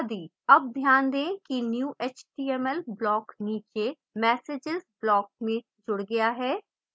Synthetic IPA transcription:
d̪iː | ɐb̚d̪ʱjaːnd̪ẽːkinjuːʔeːt͡ʃʈiːɛːmɛlblɔːkniːt͡ʃe | mɛːseːd͡ʒɪzblɔːk̚mẽ | d͡ʒʊɽɡɐjaɦɛː

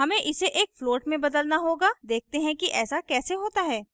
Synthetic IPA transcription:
ɦɐmẽʔɪseʔeːkfloːʈmẽbɐd̪əlnaɦoːɡaːd̪eːk̚ʰt̪eɦɛ̃kiʔɛːsakɛːseɦoːt̪aɦɛː

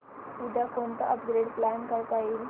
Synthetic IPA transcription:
ud̪ʱakont̪əʔəpɡɾeɖplænkajk̪aiːl

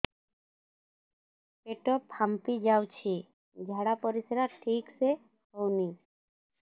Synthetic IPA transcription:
peʈɔpʰampid͡ʒawt͡ʃʰi | d͡ʒʱaɽapɔɾisɾaʈʰikse | ɦɔwni

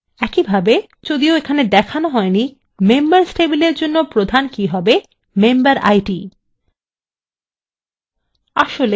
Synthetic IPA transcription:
ɛkibʱabe | d͡ʑod̪ioekʰaned̪ɛkʰanoɦɔeni | membaɾsʈebileɾd͡ʑonːopɾod̪ʱankiɦɔbe | membaɾa̰jʈi | a̰ʃole

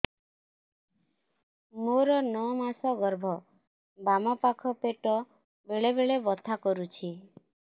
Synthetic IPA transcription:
moɾɔnɔmasɔɡɔɾbʱɔ | bamɔpakʰɔpeʈɔ | beɭebeɭebɔt̪ʰakɔɾut͡ʃʰi

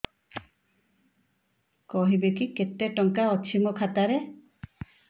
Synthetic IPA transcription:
kɔɦibekiket̪eʈɔŋkaɔt͡ʃʰimɔkʰat̪aɾe

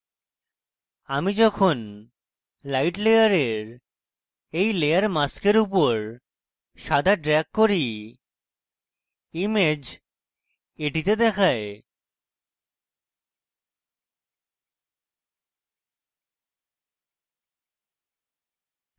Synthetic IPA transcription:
amid͡ʑɔkʰon | lajʈlejaɾeɾ | ejlejaɾmaskeɾupoɾ | ʃad̪ʱaɖɾɛkːoɾi | imed͡ʑ | eʈit̪ed̪ɛkʰae

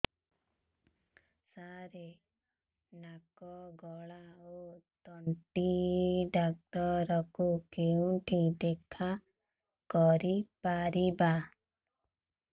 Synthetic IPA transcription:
saɾe | nakɔɡɔɭaot̪ɔɳʈiɖak̚t̪ɔɾɔkukeũʈʰid̪ekʰa | kɔɾipaɾiba

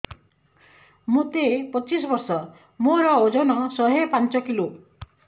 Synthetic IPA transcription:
mut̪epɔt͡ʃisɔbɔɾsɔ | moɾɔod͡ʒɔnɔsɔɦepant͡ʃɔkilo

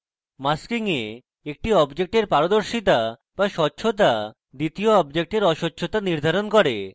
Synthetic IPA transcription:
maskiŋe | ek̚ʈiɔbd͡ʑek̚ʈeɾpaɾod̪oɾʃit̪̬a | baʃɔtːɕʰot̪̬a | d̪it̪ioɔbd͡ʑek̚ʈeɾɔʃotːɕʰot̪aniɾd̪ʱaɾonkɔɾe

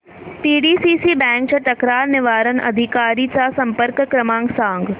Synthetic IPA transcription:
piːɖiːsiːsibɛ̃ːŋk̚t͡ʃɐʈ̪ɐkɾaːɾnɪʋaːɾənʔɐ̰d̪ʱikaːɾiːt͡ʃasɐ̃mpəɾkkɾəmãːŋɡsãːŋɡ

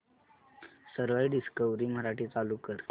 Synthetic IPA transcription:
səɾʋaiɖiskəʋɾiːm̤əɾaʈiːt͡salukəɾ

